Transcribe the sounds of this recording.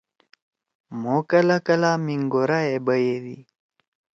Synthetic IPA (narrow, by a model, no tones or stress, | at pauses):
mokɐlakɐlamiŋɡoɾaebəjed̪ḭ